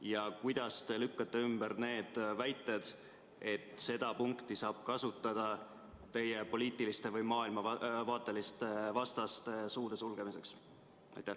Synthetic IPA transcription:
jɑkujd̪̥ɑst̪e̞lykːɑt̪ːe̞ymb̥əɾne̞ːd̪̥væjt̪ːˑed̪̥ | e̞t̪se̞d̪̥ɑpuŋkt̪isɑːb̥̚kɑsut̪ːˑɑd̪̥ɑ | t̪e̞jepo̞liːt̪ːˑilist̪e̞vɯjmɑːilmɑɑvɑːt̪ːˑe̞list̪evɑst̪ɑst̪e̞suːd̪̥e̞sulɡ̥e̞mise̞ks | ɑ̰jt̪ːæ

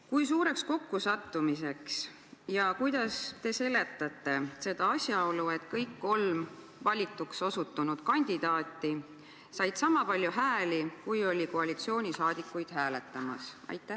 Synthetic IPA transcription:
kujsuːɾe̞ksko̞kːusɑt̪ːumis̬e̞ks | jɑkujd̪̥ɑst̪e̞se̞le̞t̪ːˑɑt̪ːˑe̞se̞d̪̥ɑɑsʲjɑo̞lue̞t̪kɤjkːo̞lm | vɑlʲit̪ːˑukso̞sut̪ːˑunud̪̥kɑnʲd̪̥id̪̥ɑːt̪ːˑi | sɑjd̪sɑmɑpɑlʲjuɦæːlikujo̞lʲikoɑlʲit̪sio̞ːnʲisɑːd̪̥ikːˑujd̪̥hæːle̞t̪ːˑɑmɑ̰sɑ̰jt̪ːˑæ

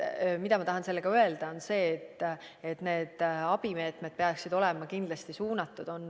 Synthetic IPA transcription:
mid̪ɑmɑt̪ɑɦɑnselːe̞ɡ̥ɑøe̞ld̪̥ɑo̞nse̞ːt̪ː | et̪ne̞ːd̪̥ɑb̥ime̞ːt̪me̞d̪̥̚pe̞ɑksid̪o̞lɛmɑkind̪lɑst̪isuːnɑt̪ːˑud̪̥o̞n

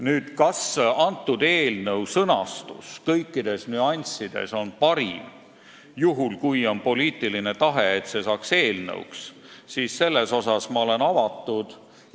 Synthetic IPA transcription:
nyːd̪̥kɑsɑnt̪ːˑud̪e̞ːlnəwsɤnɑst̪ṵskɤjkːid̪̥e̞snyɑnʲsid̪̥e̞̰so̞npɑɾḭm | juɦulkujo̞npo̞liːt̪ːˑiline̞t̪ɑɦe̞et̪se̞sɑːkse̞ːlnə̰ṵks | siːsse̞lːe̞so̞sɑsmɑo̞le̞nɑvɑt̪ːˑud̪̥

